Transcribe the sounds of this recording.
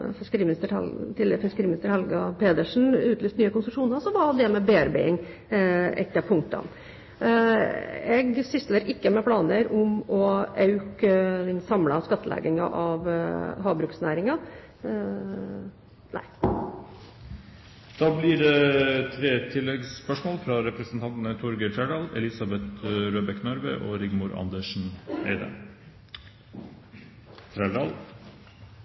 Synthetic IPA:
fɪkəɾiːmnɪst̪əɾɛlt̪ʰɪlfɪskəɾiːmnɪst̪əɾhɛlɡɑpʰeːd̪əʂn̩ʉːt̪lyːst̪nyːəkʊnsɾʉʂuːnəɾsɔʋɑd̪ɛmɛbeːæɾbḛːɪŋ | ɛ̰t̪ːəpʰʊŋ̚t̪ɑ̰n | ɛɡsʏsləɾʔɪkːəmɛpʰlɑːnəɾʊmɔʔɑʉkəd̪ɛnsɑmlɑskɑt̪ːəlɛ̰ːɡɪŋɑ̰ʔɑʋɦɑːbɾʉːksnæːɾɪŋɑ | nʔæ̰ɪ | d̪̥ɑːblɪːɾɛt̪ʰɾeːt̪ʰɪlːɛɡspœʂmoːlfɾɑɾɛpɾəsənt̪ʰɑnt̪nət̪ʰʊɾɡət̪ʰɾæɖɑːlɛ̰lɪsɑbɛt̪ɾøːbɛknœɾʋə̰ʔo̰ːɾɪɡmʊɾʔɑ̰nd̪əʂɳ̩æ̰ɪd̪ə̰ | t̪ʰɾæɖɑːl

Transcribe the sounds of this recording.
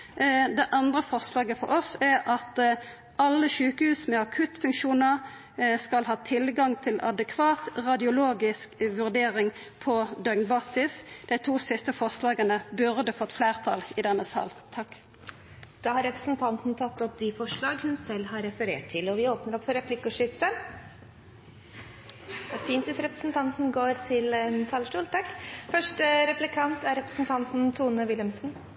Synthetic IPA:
d̪ɛʔɑnd̪ʁəfɔʁslɑːɡəfɔ̰ʁɔsæʁʔɑt̪ | ɑlːəʃʉːkəhʉːsmɛɑkʰʉt̪fʉŋkʃuːnəʁ | skɑlɦɑːt̪ʰɪlɡɑŋt̪ʰɪlɑ̰d̪əkʰʋɑːt̪ʁɑd̪ɪʊloːɡɪskʋʉʁd̪eːʁɪŋ | pʰɔd̪œnbɑːsɪsd̪̥æɪt̪ʰuːsɪst̪əfɔʁslɑːɡənəbʉʁd̪əfɔt̪ːfleːʁt̪ʰɑ̰lɪd̪ɛnːəsɑ̰ːlt̪ʰɑkː | d̪̥ɑːhɑɾɛpɾəsn̩t̪ʰɑnt̪n̩t̪ʰɑt̪ːɔp̚d̪ɪfɔʂɭɑːɡhʉnsɛlhɑɾːɛfəɾeːʈʰɪlɔʋɪoːpnəɾɔpfɔɾɛpʰlɪkːʊʂɪft̪ə | ɛfiːnt̪ʋɪsɾɛpɾə̥sn̩t̪ʰɑnt̪n̩ɡoːɾt̪ʰɪlɛnt̪ʰɑːləʂʈuːlt̪ʰɑkːfœʂʈəɾɛplɪkʰɑnt̪æɾɛpɾəsn̩t̪ʰɑnt̪n̩t̪ʰuːnəʋɪləmsn̩

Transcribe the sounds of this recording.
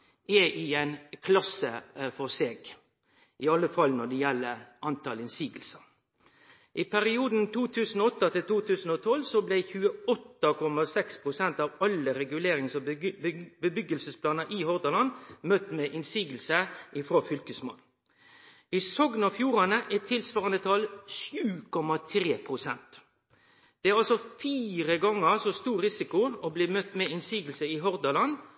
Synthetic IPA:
ɛʔɪɛnkʰlɑsəfɔʁseːɡ | ʔɪɑlːəfɑlːnɔd̪ɛjɛlːəʔɑnt̪ɑlɪnsiːɡəlsə | ʔɪpʰæɾɪuːd̪n̩t̪ʰuːt̪ʰʉːsn̩ɔɔt̪ːɑt̪ʰɪlt̪ʰuːt̪ʰʉːsn̩ɔt̪ʰɔlsɔblɛçʉːəɔt̪ːɑkʰɔmɑsɛkspʰʁʊsɛnt̪ɑːʋɑlːəɾɛɡʉleːɾɪŋsɔ | bəbʏɡəlsəspʰlɑːnəʔɪhɔʁd̪ɑlɑnmœt̪meːʔɪnsiːɡəlsəʔɪfɾoːfʏlkəsmo̰ːl | ɪsɔɡnɑfjuːɾɑnəʔɛt̪ʰːɪlsʋɑːʁɑnd̪ət̪ʰɑlʃjʉːkʰɔmɑt̪ʰɾeːpʰʁʊsɛnt̪ | d̪̥ɛæɾɑlsɔfiːɾəɡɑŋːəsɔst̪uːɾɾɪsɪkʊɔbleːmœt̪meɪnsiːɡəlsəɪɦɔʁd̪ɑlɑn

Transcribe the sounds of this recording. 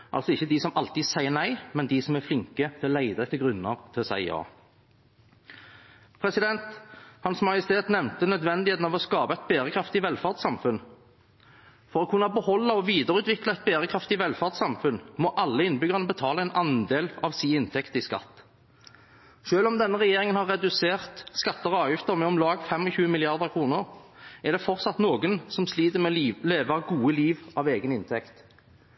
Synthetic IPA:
ʔɑ̰lsɔɪçːəd̪isɔmɑlt̪iːd̪sæɪənæɪmɛnd̪ɪsɔmæflɪŋkət̪ʰɪɔlæɪd̪ɑɛt̪ːəɡʁʉnːəʁt̪ʰɪlɔsæ̰ɪjɑ̰ː | pʰʁɛsɪd̪ɛnt̪hɑnsmɑjəst̪ʰeːt̪nɛʋnt̪ənœd̪ʋɛnd̪ɪeːt̪nɑʋɔskɑːpɑɛt̪̚beːʁəkʰʁɑft̪ɪʋɛlfɑʁd̪sɑmfʉn | fɔʁɔːkʰʉnːɑbəhɔlːɑɔʋiːd̪əʁəʉːt̪ʋɪklɑɛt̪̚beːɾəkʰʁɑft̪ɪʋɛlfɑːʁd̪sɑmfʉnmɔʔɑlːəɪnbʏɡʁənəbət̪ʰɑːləɛnʔɑnd̪eːlɑʋsiːɪnt̪ʰɛkt̪əɪskɑ̰t̪ː | ʃøːlɔmd̪ɛnːəʁɛjeːʁɪŋənhɑʁːɛd̪ʉseːʁt̪skɑt̪ːəʁɔɑːʋjʏft̪əʁmɛɔmlɑːɡfɛmːɔçʉːəmɪlɪɑʁd̪əʁkʰʁuːnəʁɛʁd̪ɛfɔʁt̪sɑt̪noːɡənsɔmsliːt̪əmɛleːʋɑɡuːəliːʋʔɑʋeːɡənɪnt̪ʰɛkt̪

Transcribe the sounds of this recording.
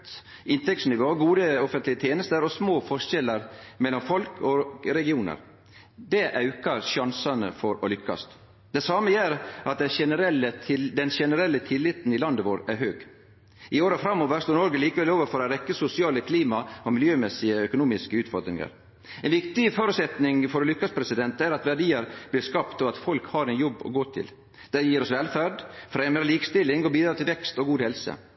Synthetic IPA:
ɪnt̪ɛksnɪʋoːɡuːd̪əɔfənt̪lɪət̪ʰeːnəst̪əɾɔsmoːfɔʂɛlːəɾmɛlːɔmfɔlkʰɔɾɛɡɪuːnə̰ɾ | d̪ɛʔɑʉkɑɾʃɑnsɑnə̰fɔɾɔlʏkːɑ̰st̪ | d̪̥ɛsɑːməjæɾʔɑt̪̚d̪ɛʃɛnəɾɛlːət̪ʰɪd̪ɛnʃɛnəɾɛlːət̪ʰɪlːɪt̪n̩ɪlɑnd̪əʋoːɾæɾɦøːɡ | ɪoːɾəfɾɑmːoːʋəɾst̪oːɾnɔɾɡəliːkəʋɛloːʋəɾfɔɾɔɾɛkːəsʊsɪɑːləkʰliːmɑɔmɪljøːmɛsɪəœkʊnuːmɪskəʉːt̪fɔɾd̪ɾɪ̰ŋə̰ɾ | ɛnʋɪkt̪ɪfɔɾʉt̪sɛt̪nɪŋfɔɾlʏkːɑspʰɾɛsɪd̪ɛnt̪æɾɑt̪ʋæɖiːəɾb̥lɪɾskɑpt̪ɔɑt̪fɔlkhɑɾɛnjɔbːɔ̰ɡoːt̪ʰɪ̰l | d̪̥ɛjiːɾɔsʋɛlfæːɖfɾeːməɾəliːkst̪ɪlːɪŋɔbiːd̪ɾɑːt̪ʰɪlʋɛkst̪ɔɡuːd̪hɛlsə̰

